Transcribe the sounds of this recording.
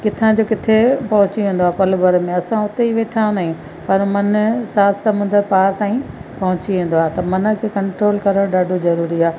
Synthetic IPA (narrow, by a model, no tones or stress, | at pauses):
kɪt̪ʰãd͡ʑoːkɪt̪ʰepɐɦʊ̃t͡ɕiʋẽːn̆d̪oaːpɐlbɐɾmẽɐsãʊt̪eiʋeːʈʰãnd̪aːɦĩ | pɐɾmɐnsaːt̪ʰsɐmʊ̃nd̪əɾpaːɾt̪aːĩpɐɦʊ̃t͡ɕiʋẽːn̆d̪oaːt̪ɐmɐnə̆kʰeːkɐ̃ɳʈɾoːlkɐɾəɽ̃ɗaːɖʱozɐɾuːɾiaː